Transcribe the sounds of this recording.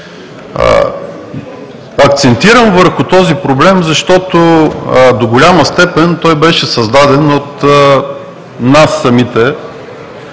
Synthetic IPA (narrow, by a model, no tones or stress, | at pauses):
ɐkt̪sɛnt̪iɾəmvəɾxʊt̪ɔzipɾoblɛmzɐʃt̪ɔt̪od̪oɡolʲamɐst̪ɛpɛnt̪ɔjbɛʃɛsɐzd̪ad̪ɛnot̪ | nasːɐmit̪ɛ